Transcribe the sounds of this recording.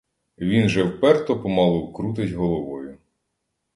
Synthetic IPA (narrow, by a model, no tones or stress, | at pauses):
ʋʲinʒɛwpɛrt̪ɔpɔmɑlˠɔwkɾut̪̬ɪzʲɦɔlˠɔʋɔjʊ